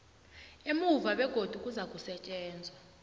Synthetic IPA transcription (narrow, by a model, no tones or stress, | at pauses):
emuvaɓɛɡ̥ʱod̥ʱukʼuzak̬ʼusɛt͡ʃʼɛːnd͡zʱwa